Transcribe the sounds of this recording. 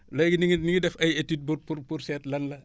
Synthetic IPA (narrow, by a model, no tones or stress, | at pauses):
lɐjɡiniŋniŋɡidɛfɐjetiːd̚buɾpuɾpuɾsɛːtlɐnlɐ